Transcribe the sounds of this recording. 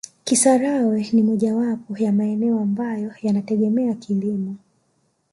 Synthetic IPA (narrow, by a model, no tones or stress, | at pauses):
kisaɾawɛnimɔʄawapɔjamaɛnɛɔambajɔjanatɛɠɛmɛakʰilimɔ